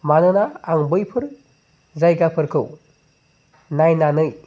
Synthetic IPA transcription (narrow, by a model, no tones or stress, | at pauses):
manɯnaːŋbɯjpʰɯɾ | zajɡapʰɯɾkʰɯw | najnanɯj